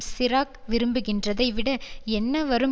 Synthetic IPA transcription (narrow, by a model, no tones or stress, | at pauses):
sɪɾaːkʋɪɾɯmbɯɣɪndrɐðɐɪʋɪɽɐɛnːɐʋɐɾɯm